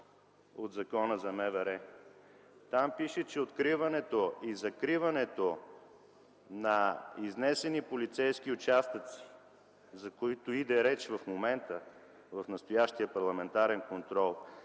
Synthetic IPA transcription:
o̰d̪zɐkɔnəzɐmɛvɛɾɛ | t̪ampiʃɛt͡ʃɛot̪kɾivɐnɛt̪oizɐkɾivɐnɛt̪o | nɐiznɛsɛnipolit̪sɛjskiʊt͡ʃast̪ət̪si̥ | zɐkoit̪oid̪ɛɾɛt͡ʃvɐfmomɛnt̪ə | vɐfnɐst̪ojaʃt̪iəpɐɾlˠɐmɛnt̪aɾɛnkont̪ɾɔlˠ

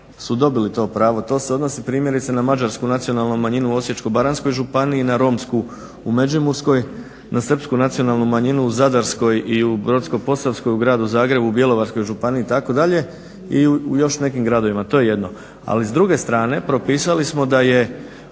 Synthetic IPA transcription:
sud̪o̞bilit̪o̞ːpɾaːʋo̞t̪o̞ːseod̪no̞sipɾiːmje̞ɾit̪senamad͡ʒaɾskunat̪sio̞nalˠnumaɲinuo̞sje̞t͡ʃkobaɾansko̞jʒupaniinaɾo̞msku | ume̞d͡ʒimuɾsko̞j | nʔasr̩pskunat̪sijo̞nalˠnumaɲinuːzad̪aɾsko̞jiubɾo̞t̪sko̞po̞safsko̞juɡɾaːd̪uzaːɡɾe̞bubje̞lo̞ʋaɾsko̞jʒupaniiːt̪ako̞d̪aʎe̞ | iujo̞ʃne̞kimɡɾad̪o̞ʋimat̪o̞je̞je̞d̪no̞ | a̰lizd̪ɾuɡe̞st̪ɾaːne̞pɾo̞piːsalismo̞d̪aje̞

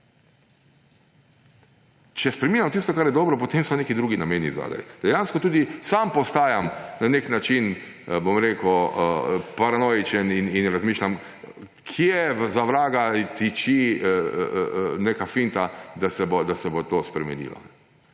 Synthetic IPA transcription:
t͡ʃɛspɾɛmiːnjamt̪ist̪ɔkaɾjɛd̪ɔːbɾɔp̬ot̪emsɔnekid̪ɾuːɡinameːniza̰d̪a̰jd̪̥ɛjanskɔt̪uːd̪isampɔst̪aːjamnaneknat͡ʃin | bomɾeːkuəpaɾanɔjit͡ʃɛnininɾazmiːʃlʲam | kʰjɛʋzaʋɾaːɡat̪it͡ʃi | nekafint̪ad̪asɛbod̪asɛbot̪oːspɾɛmɛ̰nḭːla̰n

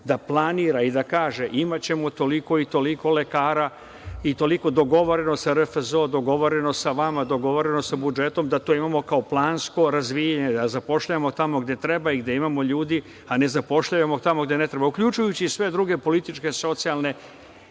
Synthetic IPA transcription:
d̪aplˠaniːɾaid̪akaːʒe̞ʔimat͡ɕe̞mo̞t̪o̞liko̞it̪o̞liko̞le̞kaːɾa | it̪o̞liko̞d̪o̞ɡo̞ʋo̞ɾe̞nosaɾefzo̞d̪o̞ɡo̞ʋo̞ɾe̞no̞saʋamad̪o̞ɡo̞ʋo̞ɾeno̞sabud͡ʒe̞t̪o̞md̪at̪oːimamo̞kao̞plˠaːnsko̞ɾazʋijaɲe̞d̪azapo̞ʃʎajamot̪amo̞ɡd̪e̞t̪ɾe̞baiɡd̪e̞imamo̞ʎuːd̪i | ane̞zapo̞ʃʎaemo̞t̪amo̞ɡd̪ene̞t̪ɾe̞baukʎut͡ʃujut͡ɕisʋe̞d̪ɾuɡe̞po̞lit̪it͡ʃke̞so̞t̪sialˠne̞

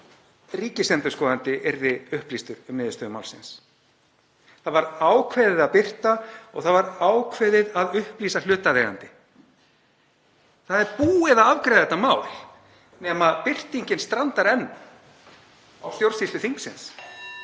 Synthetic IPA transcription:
riːcɪsɛnt̪ʏɾ̥skɔːðant̪ɪʔɛɾðɪʏhpliːst̪ʏɾʏmnɪːðɪʏst̪œːðʏmaːwlsɪns | θaðvaɾaːwkʰvɛːðɪðaðpɪr̥t̪aɔɣθaðvaɾaːwkʰvɛːðɪðaðʏhpliːsal̥ʏːt̪aðejɾa̰nt̪ɪ | θaðɛɾpuːɪðaavkɾajðɛt̪amaːwl̥ | nɛmaðpɪr̥t̪iɲcɪnst̪ɾant̪aɾɛnːʏ | awst̪jowɾ̥sislʏθiŋksɪns

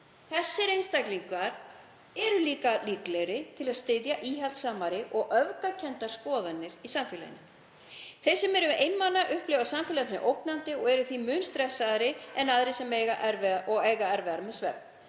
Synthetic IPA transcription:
θɛsːɪɾejnst̪ajkliŋkvaɾ̥ | ɛɾʏliːkaliːklɛjɾɪt̪ʰɪlaðst̪ɪðjaʔiːɦɛlt̪saːmaɾɪʔɔɣʔœvkacʰɛnt̪ḁskɔːðanːɪɾisamfɪla̰jɪ̰nːɪ | θejsɛmɛɾʏejnmanːaʔʏhplɛɣvasamfɪlaɪ̰ʔowknant̪ɪɔɣɛɾʏθimʏnst̪ɾɛsːaðɾɪɛnaðɾɪsɛmeɣaʔɛɾvɛɔɣeːjɣaɛɾvɛðaɾmɛðsvɛ̰p̪̚

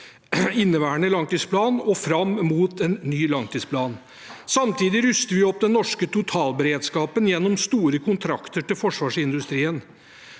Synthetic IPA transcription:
ɪnːəʋæːəɳəlɑŋt̪iːspʰlɑːnɔfɾɑmːmuːt̪ɛnːyːlɑŋt̪iːspʰlɑːn | sɑmt̪ʰiːd̪ɪɾʉst̪əʋɪɔp̚ːd̪ɛnːɔʂkət̪ʊt̪ʰɑːlbəɾeːd̪skɑːpənjɛnːɔmst̪uːɾəkʰʊnt̪ʰɾɑkt̪əʈɪlfɔʂʋɑːʂɪnd̪ʉst̪ɾiːən

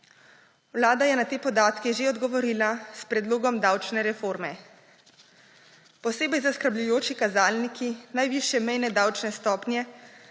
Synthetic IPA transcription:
wlaːd̪ajɛnat̪eːpɔd̪aːt̪kiʒeɔd̪ɡɔʋɔɾiːlaspɾɛd̪loːɡɔmd̪aːwt͡ʃnɛɾɛfoːɾmɛ | pɔseːbɛjzaskəɾblujoːt͡ʃikazaːlnikinajʋiːʃjɛmɛjnɛd̪awt͡ʃnɛst̪ɔːpnjɛ

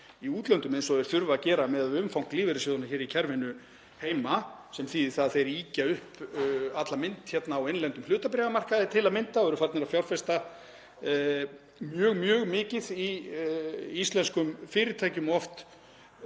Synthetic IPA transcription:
iuːt̪lœnt̪ʏmejnsɔɛɾ̥θʏɾvaːcɛːɾamɛðaðʏmfawŋ̥kliːvɪɾɪsoːðanaçɛːɾicʰɛɾvɪnʏ | heːjmasɛmθiθaðθejɾiːcaʏhpat̪lamɪnt̪çɛt̪naːwejnlɛnt̪ʏmlʏːt̪apɾɛɣamar̥kaðɪt̪ʰɪlaðmɪnt̪aɔɛɾʏfaɾt̪nɛɾafjawlfɛst̪a | mjœːɣmjœːɣmɪːcɪði | ist̪lɛnskʏmfɪːɾɪɾt̪ʰaːjcʏmɔft̪

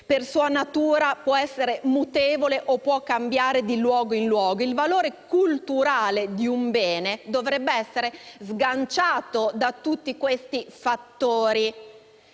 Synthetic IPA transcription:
persuːanat̪uːɾapwɔɛsːeɾemut̪eːvoleʔopːwɔkːambjaːɾed̪ilwɔːɡoinlwɔːɡoilvaloːɾekult̪uɾaːled̪iumbɛːned̪ovɾɛbːeɛsːeɾezɡant͡ʃaːt̪od̪at̪ut̪ːikwest̪ifat̪ːoːɾi

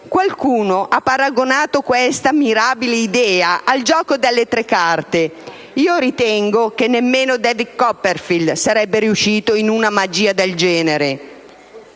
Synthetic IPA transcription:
kwalkuːnoʔapːaɾaɡonaːt̪okwɛst̪amiɾaːbileid̪ɛːaʔald͡ʒɔːkod̪elːet̪ɾekːart̪e | iːoɾit̪ɛŋɡokenːemːeːnod̪ɛviɡkɔpːerfild̪saɾɛbːeɾiuʃːiːt̪oinunamad͡ʒiːad̪eld͡ʒɛːneɾe

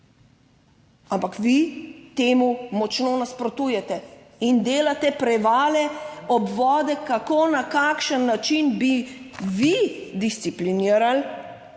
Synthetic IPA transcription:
ampakʋit̪eːmumɔt͡ʃnoːnaspɾɔt̪uːjɛt̪ɛ | ind̪eːlat̪ɛpɾɛʋaːlɛɔbʋɔːd̪ɛkakonakakʃənːat͡ʃinbiʋid̪ist̪sipliniːəɾal

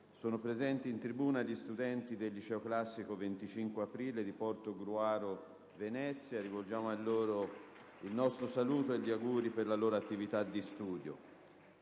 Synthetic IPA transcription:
soːnopɾezɛnt̪iːnt̪ɾibuːnaʎist̪ud̪ɛnt̪id̪eʎːit͡ʃɛoklasːikovent̪it͡ʃiŋkweapɾiːled̪ipɔrt̪oɡɾuaːɾo | venɛt̪sːjaɾivold͡ʒaːmoalːoːɾo | ilnɔst̪ɾosaluːt̪oeʎːiaɡuːɾiperlaloːɾoat̪ːivit̪ad̪ːist̪uːd̪jo̰

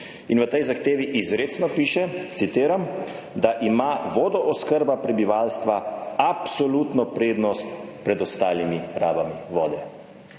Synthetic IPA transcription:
inʋət̪ɛjzaxt̪eːʋiʔizɾeːt̪snɔpiːʃɛt̪sit̪eːɾam | d̪aʔimaʋɔːd̪ɔʔɔskəɾbapɾɛbiʋalst̪ʋaapsɔlut̪nɔpɾeːd̪nɔst̪pɾɛd̪ɔst̪aːlimiɾaːbamiʋɔːd̪ɛ

